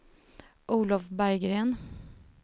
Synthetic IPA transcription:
ʔuːlɔfbæɾɡɾeːn

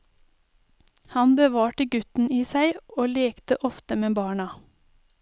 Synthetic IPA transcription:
hɑnbəʋɑːʈəɡʉt̪n̩iːsæɪoːleːkt̪əʔɔft̪əmeːbɑːɳɑ

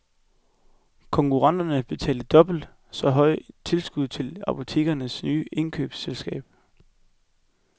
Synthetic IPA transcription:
kʰɒ̽ŋkʰuʁɑ̈n̰d̥ɐnəb̥e̝t͡sʰɛ̰ːləd̥ɒ̽b̥l̩d̥ | sɒ̽ɦɒ̽ɪt͡sʰe̝lsɡ̥uð̰ˠt͡sʰe̝lɑ̈pʰo̝t͡sʰe̝̰ːɡ̥ɐnəsnyːʔe̝nkʰø̰ːb̥selsɡ̥ɛ̰ːb̥

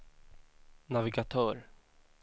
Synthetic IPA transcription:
navɪɡat̪ʰœːɾ

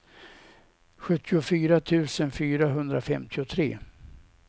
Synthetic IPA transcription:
ɧɵt̪ʰːɪʊfyːɾat̪ʰʉ̟ːsənfyːɾaɦɵnd̪ɾafɛmt̪ʰɪʊt̪ʰɾeː

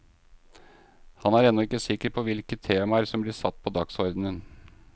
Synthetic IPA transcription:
hɑnæɾɛnːɔɪkːəsɪkːəɾpʰɔʋɪlkət̪ʰːeːmɑəɾsɔmblɪːsɑt̪ːpʰɔd̪ɑksɔɾd̪n̩ən

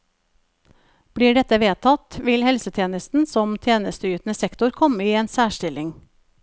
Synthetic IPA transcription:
b̥ɽiːɖɛt̪əʋeːt̪ʰɑt̪ʋɪlhɛlsət̪ʰeːnəst̪n̩sɔmt̪ʰjeːnəst̪əjʉːt̪n̩əsɛkt̪ʊɾkʰɔməiːeːnsæːʃʈɪlɪŋ

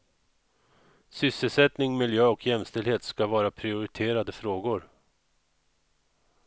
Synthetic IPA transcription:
sʏsːəlsɛt̪nɪŋmɪljøːɔkʰjɛmst̪ɛlheːt̪skavɑːɾapʰɾɪʊɾɪt̪ʰeːɾad̪əfɾoːɡʊɾ

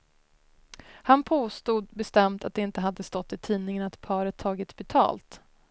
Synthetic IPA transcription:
hanpʰoːst̪uːd̪̚bɛst̪ɛmt̪at̪̚d̪ɛɪnt̪əɦad̪ːəst̪ɔt̪ːɪt̪ʰiːnɪŋənat̪pʰɑːɾət̪ʰːɑːɡɪt̪sbɛt̪ʰɑ̰ːlt̪

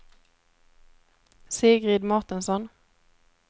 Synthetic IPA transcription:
seːɡʁiːd̪mɔʁt̪ənsɔn

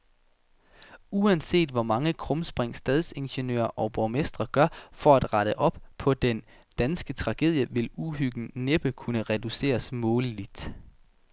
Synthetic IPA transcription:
uænse̝̰ːd̥ʋɒmɑ̈ŋəkʰʁɔ̽msb̥ʁeŋ̰sd̥ɛðˠse̝nɕenø̰ːɐʔɒ̽b̥ɒmesd̥ʁɐɡ̥ɶɐfɒ̽æd̥ʁɑɾ̥əʔɒ̽b̥̚pʰɒ̽d̥en | d̥ænsɡ̥ət͡sʰʁɑ̈ɡ̥e̝ðˠjəʋe̝luɦyɡ̥n̩neb̥əkʰunəʁɛd̥use̝̰ːɐsmɔ̽ːlid̥

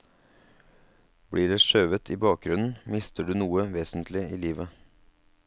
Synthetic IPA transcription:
b̥ɽiːɖeːʃøːʋət̪ʰiːbɑːk̚ɡɾʉnn̩mɪst̪əɖʉːnuːəʋeːsn̩t̪ʰlɪiːliːʋə

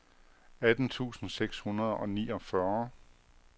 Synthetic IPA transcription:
æd̥n̩t͡sʰṵːsn̩seɡ̥shunɐð̞ˠɒ̽nḭːɒ̽fɶɐ

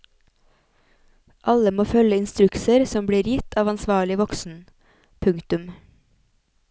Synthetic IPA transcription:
ʔɑləmoːfœləɪnst̪ɾʉksəɾsɔmbɽiːɾjɪt̪ʰɑːʋɑnsʋɑːɭɪʋɔksn̩ | pʰʉŋt̪ʉm

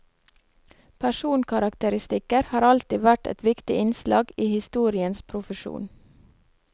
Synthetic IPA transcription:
pʰæʃuːnkʰɑɾɑkt̪əɾɪst̪ɪkəɾhɑːɾɑlt̪ɪːʋæʈɛ̰t̪ʋɪkt̪ɪʔɪnslɑ̰ːɡiːhɪst̪uːɾɪənspʰɾʊfəʃṵːn

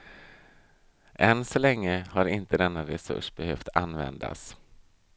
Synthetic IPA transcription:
ʔɛnːsɔlɛŋːəhaɾɪnt̪əd̪ɛnːaɾɛsɵ̰ʂb̥ɛhøːft̪ʰanvɛ̰nd̪a̰s

